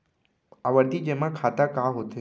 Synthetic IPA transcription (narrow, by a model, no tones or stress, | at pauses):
aʋəɾd̪ʱid͡ʒemãkʰaːt̪akaɦot̪e